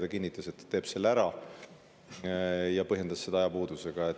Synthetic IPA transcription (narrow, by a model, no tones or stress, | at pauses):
d̪ɑkinːit̪ːˑɑse̞t̪ːe̞ːb̥se̞lːæɾɑ | jɑpɤɦje̞nd̪̥ɑssed̪ɑɑjɑpuːd̪̥use̞ɡ̥ɑet̪